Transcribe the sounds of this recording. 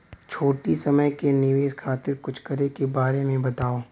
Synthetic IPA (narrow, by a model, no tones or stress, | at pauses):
t͡ʃʰoːʈisɐməjkenɪʋeːʃkʰaːt̪ɪɾkʊt͡ʃʰkɐɾekebaːɾemẽbɐt̪aːoː